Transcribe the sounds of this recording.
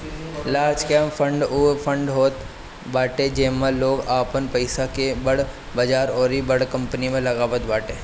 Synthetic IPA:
laːɾd͡ʒkemfʰə̃ɳɖupʰə̃ɳɖɦoːt̪ | baːʈed͡ʒeːmẽloːɡaːpənpɐɪsakebɐɽ | bɐd͡ʒaːɾɔːɾibɐɽkɐ̃mpənimẽlɐɡaːbət̪baːʈeː

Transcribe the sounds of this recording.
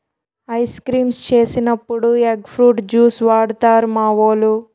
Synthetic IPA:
ɐjskɾiːmst͡ʃe̞ːsinɐpːuɽueɡpʰɾuːʈd͡ʒuːsʋaːɽut̪aːɾmaːʋoːlu

